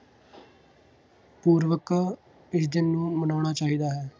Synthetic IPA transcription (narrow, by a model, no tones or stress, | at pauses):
puːɾʋəka | ɪsd̪ɪnːũːmənaːɳaːt͡ʃaːɦiːd̪aːɦɛː